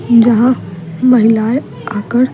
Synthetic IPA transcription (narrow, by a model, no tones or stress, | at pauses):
d͡ʑəɦãməɦilaj | akəɽ